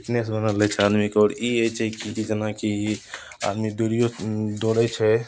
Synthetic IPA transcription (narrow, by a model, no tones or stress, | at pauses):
bʈnesbənəlɛt͡ʃʰɛad̪mikeɔːɾiejt͡ʃʰɛkiid͡ʒənaki | a̰d̪mid̪uɾijod̪oɾɛt͡ʃʰɛ